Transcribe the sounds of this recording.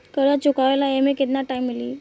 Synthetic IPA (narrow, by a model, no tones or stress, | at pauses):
kəɾət͡ɕukaʋelaemeket̪naʈajmːilḭː